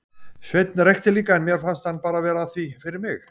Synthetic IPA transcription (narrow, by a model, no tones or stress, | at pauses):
svejt̪̚nɾɛjht̪ɪliːkaɛnmjɛɾ̥fanst̪hanːpaːɾavɛːɾaːθvifɪɾɪɾmɪx